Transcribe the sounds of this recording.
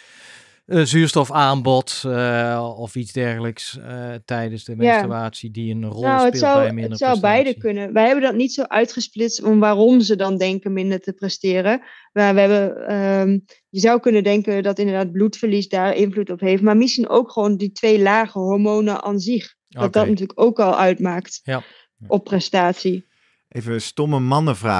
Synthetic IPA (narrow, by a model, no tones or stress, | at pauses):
zyːɹstɔfaːnbɔt | ɔfizdɛɹɣələkstɛjdənsdəmejataːtsidiənrɔnowətsʌwɪəndsɔwbɛjdəkønəʋəjɦɛbəndɔtnitsowʔœɥtχəsplɪtstɔnʋaːrɔmzədɑndɛŋkəmɪndəɹtəprɛstɪːrə | maːʋəɦɛbəə | jəzɑwkɵnədɛŋkədɑtɪndəɹdaːd̚blutfəɹlisdaːɹʔɪnvlutɔpɦejftmaːɹmɪsχinʔo̰wkχəʋoːnditʋejlaːχəɦɔɹmownəʔa̰ːnzɪχ | dɑt̚dɑtnətyːləkowkɑlˠʔœɥtmaːkt | ʔɔpːrɛstaːtsi | evəstɔməmɑnəvra̰ː